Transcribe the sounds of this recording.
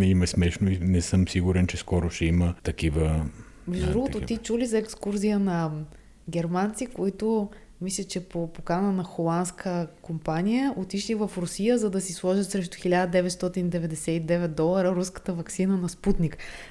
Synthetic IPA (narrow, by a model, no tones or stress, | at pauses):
nɛimɛsmɛʃnoinɛsɤmsiɡuɾɛnt͡ʃɛskɔɾʊʃɛimət̪ɐkivə | mɛʒd̪ʊd̪ɾuɡʊt̪ot̪it͡ʃulizɐɛkskuɾziənɐ | ɡʲɛɾmant̪sikoit̪o | mislʲət͡ʃɛpopokanənɐxolˠant̪skʰəkompanijəʔot̪iʃlivɐfɾʊsijəzɐd̪ɐsislˠɔʒət̪sɾɛʃ̬t̪ʊ̥xilʲad̪əd̪ɛvɛt̪st̪ɔt̪inid̪ɛvɛd̪ɛsɛid̪ɛvɛt̪̚d̪ɔlˠɐɾəɾuskə̥t̪əvɐksinənɐsput̪nik